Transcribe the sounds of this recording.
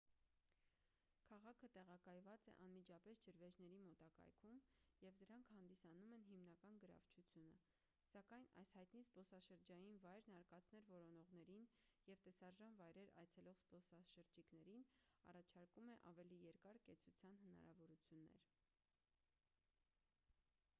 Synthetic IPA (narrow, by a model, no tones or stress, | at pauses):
kʰɑʁɑkʰət̪ɛʁɑkɑjvɑt͡sɛ̰ʔɑnmid͡ʒɑpɛsd͡ʒəɾvɛʒnɛɾimɔt̪ɑkɑ̰jkʰumjɛvd̪əɾɑŋkʰhɑnd̪isɑnumɛnɦimnɑkɑnɡəɾɑ̰vt͡ʃʰut͡sʰjunə | sɑkɑjnɑ̰jshɑjt̪nizbɔsɑʃəɾd͡ʒɑjinvɑjɾnɑɾkɑt͡sʰnɛɾvɔɾɔnɔʁn̪ɛɾinjɛvt̪ɛsɑɾʒɑnvɑjɾɛɾɑ̰jt͡sʰɛlɔʁzbɔsɑʃəɾd͡ʒikn̪ɛɾinɑ̰rɑt͡ʃʰɑɾkumɛʔɑvɛlijɛɾkɑɾkɛt͡sʰut͡sʰjɑnɦənɑ̰ɾɑ̰vɔɾut͡sʰjunːɛ̰ɾ